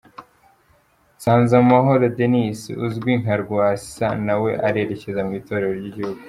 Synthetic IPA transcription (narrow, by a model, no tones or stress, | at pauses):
saːnzaumaɦo̞ɾodenisḭuzɡwiŋɦaɾɡasi̥sanawe̞ʔaɾe̞ːɾe̞ce̞zamuito̞ɾe̞ɾo̞ɾɟiɟihuɡu